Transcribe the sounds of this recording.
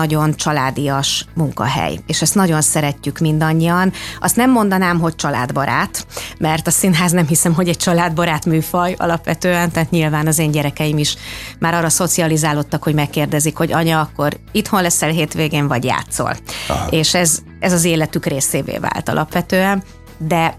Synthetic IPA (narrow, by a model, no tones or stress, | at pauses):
ɒɟo̞nt͡ʃɒlaːd̪ijɒʃmuŋkɒ̰ɦɛ̰jeːʃɛst̪nɒɟo̞nsɛɾɛcːykmind̪ɒɲːijɒnɒst̪nɛmːo̞nd̪ɒnaːmɦo̞c̚t͡ʃɒla̰ːd̪bɒɾʔa̰ːt̪mɛrt̪ɒsinɦaːznɛmɦisɛmɦo̞ɟɛc̚t͡ʃɒlaːd̪bɒɾaːt̪myːfɒjɒ̰lɒpʋɛt̪øːɛnt̪aːt̪ɲilvaːnɒzeːɲɟɛɾɛkɛjimiʃmʔaːɾɒːrɒso̞t̪siɒlizaːlot̪ːɒkhoɟmɛkːeːrd̪ɛzikho̞ɟɒɲɒːkːo̞ɾit̪ho̞nlɛsɛlɦeːt̪ʋeːɡeːɱvɒɟja̰ːt̪so̰leːʃɛz | ɛzɒzeːlɛt̪ykreːseːvḛːva̰ːlt̪ɒ̰lʔɒ̰pʋɛt̪øːɛn | d̪ɛ